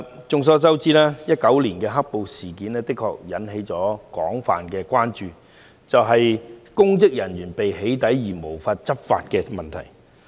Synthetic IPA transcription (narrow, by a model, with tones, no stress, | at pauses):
t͡sʊ˨ŋs̬ɔː˨˥sɐ˥wt͡siː˥lɛː˥jɐ˥t̚kɐ˨˥wliː˨˩nkɛː˧ɦɐ˥k̚po˨˧wsiː˨˩kiː˨˥nɛː˥t̪ɪ˥kʰːɔ̰ː˧k̚jɐ˨˥nɦe˨˧jt͡sɔː˨˥kɔ̰ː˨˥ŋfa̰ː˨nkɛː˧kʷwaː˥nt͡ʃyː˨˩ | t͡sɐ˨wɦɐ˨jkʊ˥ŋkɪ˥k̚jɐ˨˩nɥyː˨˩npe˨jhe˨˥jt̪ɐ˨˥jjiː˨˩mo˨˩wfaː˧t̚t͡sɐ˥t̚fa̰ː˧t̚kɛː˧mɐ˨nt̪ʰɐ˨˩j